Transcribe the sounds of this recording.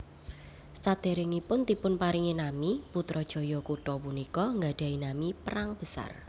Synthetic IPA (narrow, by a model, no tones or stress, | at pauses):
sad̪̥e̤ɾɪŋipʊnt̪ipʊnpaɾiŋinamiput̪ɾɔd̥ʒ̥ɔ̤jɔkuʈɔpunikɔŋɡaɖ̥a̤inamipəɾaŋb̥əsa̰r